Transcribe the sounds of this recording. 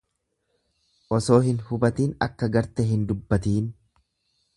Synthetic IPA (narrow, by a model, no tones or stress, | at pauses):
ʔɔso̞ːɦɪnhʊbɐt̪iːnɐ̰kːɐɡɐɾt̪ɛɦɪnd̪ʊbːɐt̪iːn